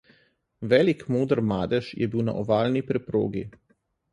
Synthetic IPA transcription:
ʋɛːlikmoːd̪ɾmaːd̪ɛʃjɛbiwna̰ʔɔʋaːlnipɾɛpɾo̰ːɡḭ

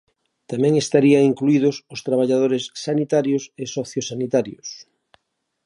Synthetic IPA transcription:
t̪amɛ̃ŋest̪aɾiaŋiŋkluið̞ʊsʊst̪ɾaβ̞aʎað̞oɾesːanit̪aɾjosesɔθjosanit̪aɾjos

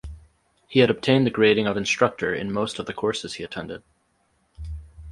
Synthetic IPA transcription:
hiɨɾʌb̚tʰẽɪ̃nðɨɡɹeɪɾɪ̃ŋʌvɨ̃nstɹ̥ʌk̚tə˞ɨ̰̃nmoʊstʌvðɨkʰɔɹsɨz̥hiɨtʰɛ̃ndɨd̥̚

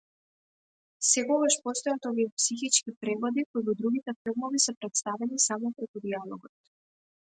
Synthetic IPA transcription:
sɛkɔɡaʃpɔst̪ɔjat̪ɔviɛpsixit͡ʃkipɾɛvɔd̪ikoivɔd̪ɾuɡit̪ɛfilˠmɔvisɛpɾɛt̪st̪avɛnisamɔpɾɛkud̪ialˠɔɡɔt̪

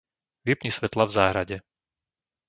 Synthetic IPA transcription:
ʋipɲisʋɛt̪lavzaːɦɾaɟɛ

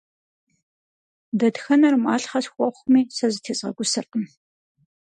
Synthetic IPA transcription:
dɐdxɐnɐrma̰ːɬχɐsxʷʼɔχʷmiːsɐzɨtʰeːsʼʁɐ̰ɡʷʊsɨrqəm

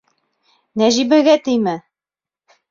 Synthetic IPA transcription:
næʑibæɡæt̪ɘjmɘ

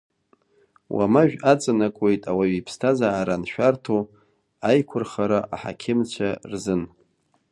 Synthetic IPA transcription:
wʔa̰maʒᶣat͡sʼanakʷʼe̞jtʼawaɥipʰstʰazaːɾanʃᶣartʰo | ajkʷʰʊrχaɾaʔa̰ħa̰kʲʰɪmt͡ɕʷʰarzɨn

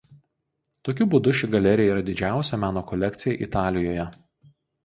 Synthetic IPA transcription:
t̪oːkʲʊbʊd̪ʊʃʲɪɡɐlʲɛɾʲɪjɛiːɾɐd̪ʲɪd͡ʒʲæˑʊsʲɛmʲæːnoːkɔlʲɛk̚ʲt̪sʲɪjɛʔit̪ɑːlʲɪjoːjɛ

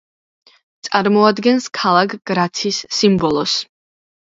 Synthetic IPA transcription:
t̪sʼaɾmɔad̪ɡɛnskʰalˠakʰɡ̥ɾat̪sʰisːimbɔlˠɔs

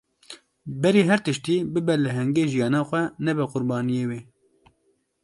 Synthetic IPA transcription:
bɛɾiːɦɛɾt̪ɨʃt̪iːbɨbɛlɨɦɛŋɡeːʒijɑːnɑːxʷɛnɛbɛqʊɾbɑːnijeːweː

